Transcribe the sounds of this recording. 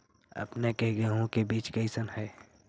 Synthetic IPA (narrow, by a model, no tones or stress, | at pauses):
ə̰pnekeɡeɦõkebiːt͡ʃkəɪsənɦɛː